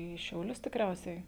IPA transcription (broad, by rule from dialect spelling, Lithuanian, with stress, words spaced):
iː ʃʲɛʊˈlʲʊs tʲɪkˈrʲɛʊsʲɛɪ